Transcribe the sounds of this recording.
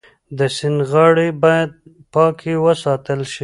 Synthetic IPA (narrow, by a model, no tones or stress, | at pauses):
d̪əsɪnɣɑɽibɑjad̪̚ | pɑkʰewəsɑt̪əlʃi